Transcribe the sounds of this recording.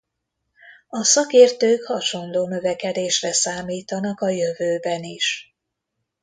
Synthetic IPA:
ɒsɒkeːrt̪øːkhɒʃo̞nloːnø̞vɛkɛd̪eːʃrɛsaːmiːt̪ɒnɒkɒjø̞vøːbɛniʃ

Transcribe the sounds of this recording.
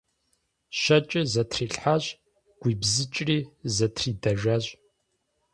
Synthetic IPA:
ʃɐt͡ʃʼɪzɐtʰriːɬħaʑ | ɡ̥ʷiːbzɨt͡ʃʼriːzɐtʰriːdɐʒɐʑʼ

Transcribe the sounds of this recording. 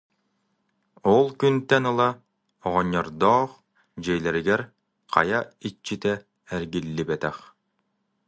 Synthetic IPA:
ɔlˠkynt̪ɛnɯlˠa | ɔʁɔɲːɔɾd̪ɔːχ | d͡ʑɛjlɛɾiɡɛɾ | qa̰jait͡ɕːit̪ɛː | ɾɡilːibɛt̪ɛχ

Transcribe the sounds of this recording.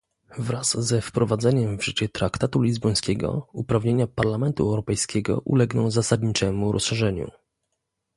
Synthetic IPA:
vɾazːɛfpɾɔvad̪zɛɲɛmvʐɘt͡ɕɛt̪ɾakt̪at̪ulʲizbɔj̃skʲɛɡɔ̰upɾavɲeɲapaɾlamɛnt̪uɛwɾɔpɛjskʲɛɡɔ̰ʔṵlɛɡnɔ̃w̃zasad̪ɲit͡ʂɛmuɾʔɔ̰sʂɛʐɛɲṵ

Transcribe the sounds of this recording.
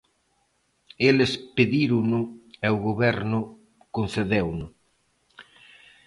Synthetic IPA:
elɪspeðiɾʊnʊɛʊɣoβɛɾnʊ | kon̟θeðewnʊ

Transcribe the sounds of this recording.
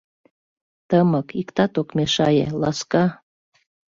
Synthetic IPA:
t̪əmɤkikt̪ɑt̪okmeʃɑjḛlɑskɑ

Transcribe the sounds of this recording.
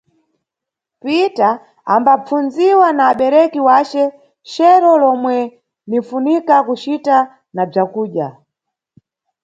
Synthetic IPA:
pita | a̰mbap͡funziwanaːɓɛɾɛkiwat͡ʃɛ | ʃɛɾɔlɔmwɛ | nifunikakut͡ʃita | nab͡ʐakuːɗja

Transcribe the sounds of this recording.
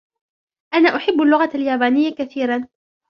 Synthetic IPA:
ʔanaːʔʊħɪbːalːʊɣaaljaːbaːnɪjːakaθiːɾan

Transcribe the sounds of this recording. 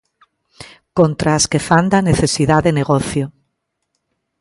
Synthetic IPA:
kõnt̪ɾaːskefand̪aneθesiðaðeneɣoθjo

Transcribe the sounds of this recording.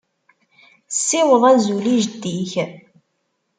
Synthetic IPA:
sːɪwəðˤæzuliʒd̪iç

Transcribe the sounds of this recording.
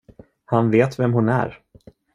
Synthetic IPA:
hanveːt̪vɛmhʊnæ̰ɾ

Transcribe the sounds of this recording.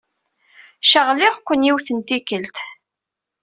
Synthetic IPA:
ʃəʁlɪʁkʷːənjiwθənt̪ikəlt̪

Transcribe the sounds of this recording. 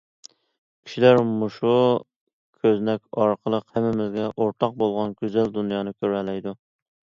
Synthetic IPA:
kʲʰi̥ʃilæɾmuʃu | kʲʰøznɛkʲɑɾqʰəlˠəqhæmːɪmɪzɡʲɛʔoɾt̪ʰɑq̚bolˠʁɑnɡʲøzɛld̪unjɑːnɨkʲʰøɾɛlɛjd̪u

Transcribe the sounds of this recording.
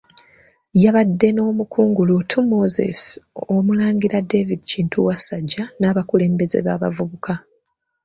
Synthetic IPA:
jaβadːe̞no̞ːmukuːŋɡulutʰumo̞zḛsomulaːɲɡiɾadevidiciːntʰuwasaɟːanaːβakule̞ːmbe̞ze̞̰βaːβa̰vuβukʰa

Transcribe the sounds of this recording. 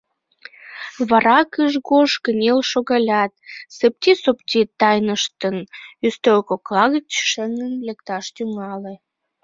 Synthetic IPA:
βɑɾɑkəʒɣoʃkənʲelʃoɣɑlʲɑt̪səp̚t̪ʲisopt̪ʲit̪ːɑjnəʃt̪ənyst̪ølkoklɑɣət͡ɕʃəŋənlekt̪ɑʃt̪yŋɑle

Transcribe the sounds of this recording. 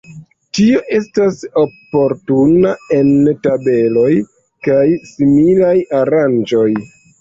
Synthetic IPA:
tio̞ʔe̞staso̞po̞ɾtunae̞ntabe̞lo̞j | kajsimilajaɾand͡ʒo̞j

